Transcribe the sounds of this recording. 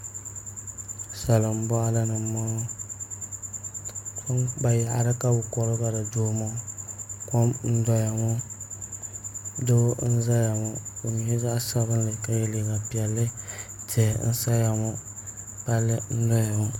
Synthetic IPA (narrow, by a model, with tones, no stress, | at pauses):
sa˨lɨ˨m̩˦bɔ˦ʔa˦la˦nɨ˨˦ma˦ŋ˦ | ko˦mba˨ja˨ʔa̰˨ɾɨ˦ka˦bʊ˨kɔ˨ɾɨ˦ba˨ɾa˨doː˦ma˦kɔ˦mn̩˦da˦ja˨ŋʊ˦ | do˦n̩˦za˦ja˨mʊ˨o˨ɲ˨je˦za˦ʔa˦sa˦βɨ˦n˦lɨ˨ka˨jɛ˦le˨ɡa˨pi˨ɛ˨lːɨ˦tɪ˨n̩˦sa˦ja˨mʊ˦ | pa˦lːɨ˦n̩˦dɔ˦ja˨ŋʊ˦